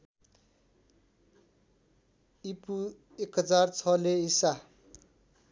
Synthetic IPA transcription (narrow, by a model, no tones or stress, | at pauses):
ipu | ekɦʌd͡zart͡sʰʌleisa